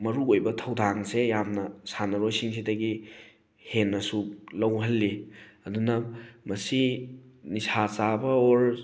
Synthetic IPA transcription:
mɐɾuojbɐtʰɐwdʱaŋsejamnɐsanɐɾojsiŋsidɐɡi | henːɐsulɐwɦɐlːiɐdunɐmɐsinisasabɐoɾ

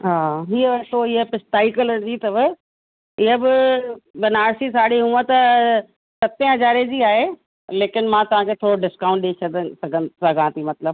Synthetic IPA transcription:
ɦaːɦiːəʋɐt̪oɪɦəpɪsʈaːɪkələd͡ʑiːt̪ɐʋɪ | ɪɦəbɪbɐnaːɾsisaːɽiɦũːə̃t̪ɐ | sɐt̪ẽɦɐzaːɾed͡ʑiːaːɦe | leːkɪnmãt̪ɐʋ̤ãkʰet̪ʰoːɾoɖɪskãːʊ̃ɳʈ̚ɗit͡ʃʰɐd̪əsɐɡʱənsɐɡʱãt̪ʰimɐt̪ləb

